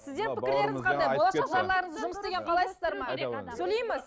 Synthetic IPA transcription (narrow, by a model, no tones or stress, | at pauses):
sɪzd̪e̞ɾppʰɪɪɾle̞ɾɪɪqʰɪnɑjwoɑɾəɑɾlˠɑɾəɴəzʒʊməsd̪e̞ɡʲe̞ɴqʰɑlˠɑjsəzd̪ɑɾməeɾsɵjle̞jmɪ